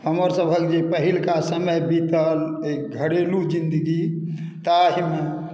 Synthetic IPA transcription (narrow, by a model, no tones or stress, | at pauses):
həməɾsəbʱəld͡ʒepəɦilkasəməjbit̪əlek̚ɡʱəɽelud͡ʒĩnd̪əɡi | t̪aɦime